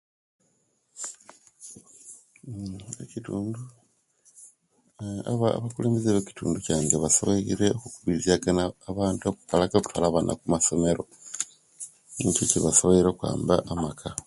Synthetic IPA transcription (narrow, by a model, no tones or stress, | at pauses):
ecituːndu | aaβakuleːmbezeβeci̥tʰṵːnducaːŋɡeβasoβeiɾeokukuβiɾizaɡanaːβaːntuoku̥kalakakutwalaβana̰kumaso̞me̞ɾo̞ | necociβasoβeiɾokwa̰ːmbaʔamakʰa